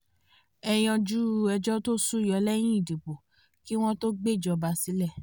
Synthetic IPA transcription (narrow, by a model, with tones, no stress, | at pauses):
ɛ˧j̃ɔ̃˧d͡ʒu˦˧ɛ˧d͡ʒɔ˦to˦su˦˨jɔ˧˦lɛ˦j̃ĩ˦i˦˨du˨bo˨ | ki˦w̃ɔ̃˦to˦ɡ͡be˦˨d͡ʒɔ˧ba˧˦si˨˦lɛ˦˨